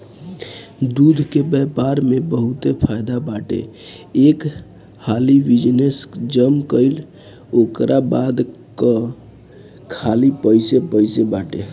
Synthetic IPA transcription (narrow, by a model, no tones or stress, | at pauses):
d̪ud̪ʱkebɛpaɾmebəɦut̪epʰajd̪abaʈḛek | halibid͡ʒnesd͡ʒəmkəɪl | okɾʔabad̪ | kə | kʰalipəɪsepəɪsebaʈḛ